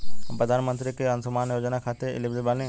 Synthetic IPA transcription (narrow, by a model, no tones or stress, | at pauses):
pɾəd̪ʱaːnmə̃nt̪ɾikeɐ̃nsʊmaːnjoːd͡ʒnakʰaːt̪eɪ̰lɪbzebaːnẽː